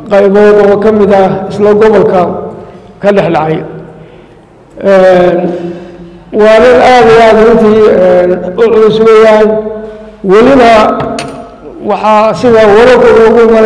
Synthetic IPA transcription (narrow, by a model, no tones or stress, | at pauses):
qɑjβɔːd̪ɔːkʰɐmɪðɐɪslɐɡɔβɔlkʰɐ | kʰɐɖɛħɖɑʕɑj | ʔɛːn | wɑːðɐnaːd̪ɪjaːd̪rʊnt̪ʰiːɛːnʊʕʊlɪsʊɣɛjaːn | wɑlɪnɐ | wɑħɑsɪðɐwɔɾɔkʰʊrɔʊɣʊhɪmɐn